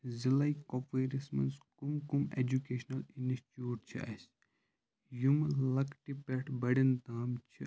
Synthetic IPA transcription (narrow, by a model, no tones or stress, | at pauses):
zilɐikopeːɾismɐ̰nskumkumḛd͡ʒukeːʃnɐlinisʈjuːʈt͡ʃʰiʔɐ̰s | jumlɐkʈipeʈʰbɐɽind̪aːmt͡ʃʰḭ